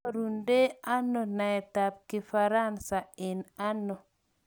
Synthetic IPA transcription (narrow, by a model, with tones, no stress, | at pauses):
ɾu˨nde˦a˦nɔ˨na˨ɛ˨ta˨p̚kɪ˨fa˨ɾa˦nsa˨ɪ˨na˦nɔ˨